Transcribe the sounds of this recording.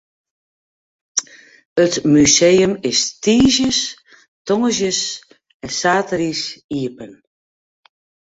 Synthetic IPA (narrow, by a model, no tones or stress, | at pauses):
ətmyseːəmɪstiːsjəs | tɔŋəzjəs | ɛnsaːtərisiəpən